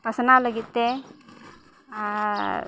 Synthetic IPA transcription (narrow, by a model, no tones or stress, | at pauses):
pɐsɐnalɐɡit̪ːe